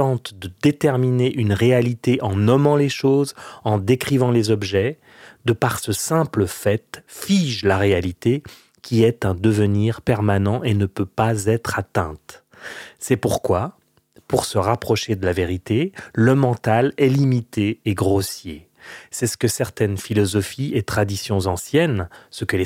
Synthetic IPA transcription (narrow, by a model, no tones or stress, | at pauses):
t̪ɑ̃t̪d̪əd̪et̪ɛʁmineʔynʁealit̪eʔɑ̃nɔmɑ̃leʃozɑ̃d̪ekχivɑ̃lezɔbʒɛ | d̪əpaʁsəsɛ̃pləfɛt̪fiʒlaʁealit̪e | kʲʰiɛt̪ɛ̃d̪əvəniʁpɛʁmanɑ̃ʔenəpøpazɛt̪χat̪ɛ̰̃t̪ | sɛpuʁkwa | puʁsəʁapχɔʃed̪əlaveʁit̪eləmɑ̃t̪alɛlimit̪eːɡʁosje | sɛsə̥kəsɛʁt̪ɛnfilɔzɔfiet̪χad̪isjɔ̃zɑ̃sjɛnsəkəle